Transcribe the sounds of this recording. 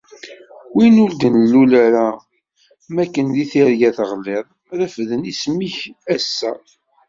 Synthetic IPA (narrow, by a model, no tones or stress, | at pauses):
winuld̪ənlːulæɾa | mækːənðiθiɾɡæθəʁlːɪðˤ | ðæfðənismiçæsːæ